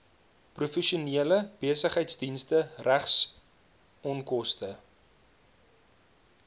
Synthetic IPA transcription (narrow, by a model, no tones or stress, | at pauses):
prufɛʃuniələb̥iəsəχəjtsdinstəræχs | ɔnkɔstə